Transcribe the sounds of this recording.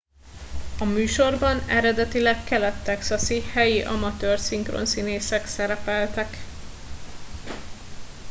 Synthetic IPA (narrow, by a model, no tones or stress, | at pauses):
ɒmyːʃo̞rbɒnɛɾɛd̪ɛt̪ilɛkːɛlɛt̪ːɛksɒsihɛjiʔɒ̰mɒt̪øːrsiŋkro̰nsineːsɛksɛɾɛpɛlt̪ɛk